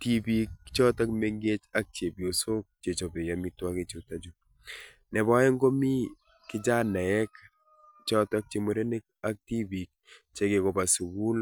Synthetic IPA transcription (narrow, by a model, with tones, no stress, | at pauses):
ti˦bi˨kːt͡ʃɔ˦ta˦kme˦ŋɡe˦t͡ʃa˦k̚t͡ʃe˨bjo˨so˦t͡ʃe˨t͡ʃo˨be˨ja˨mi˦twa˦ke˦t͡ʃo˨ta˦d͡ʒu | nɛ˨ba˦e˦ŋɡo˦mi˦ | kɪ˦d͡ʒa˦nɛ˨ɛ˦k | t͡ʃɔ˦ta˦k̚t͡ʃe˨mo˨ɾe˦ne˦k̚a˦k̚ti˦bi˨k̚t͡ʃe˦ke˨kɔ˨ba˨su˨ɡu˦l